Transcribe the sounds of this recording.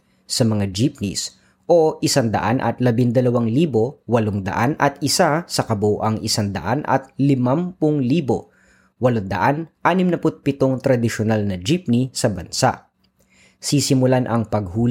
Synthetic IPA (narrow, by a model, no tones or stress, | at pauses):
sɐmɐŋad͡ʒɪp̚nḭs | ʔo̞ʔɪsaŋd̪ɐ̰ʔanʔɐ̰t̪lɐbɪŋd̪ɐlɐwaŋliːbo̞wɐloŋd̪ɐ̰ʔanɐ̰t̪̚ʔɪsasɐkɐboʔɐŋʔɪsand̪ɐ̰ʔa̰nʔɐ̰t̪̚lɪmɐmpʊŋliːbo | wɐloŋd̪ɐ̰ʔanʔaːnɪmnɐpʊt̪̚pɪt̪oŋt̪ɾɐd̪ɪʃonalnɐd͡ʒip̚nisɐbɐnsa̰ʔ | sisɪmʊlanʔɐŋpɐɡ̚huːl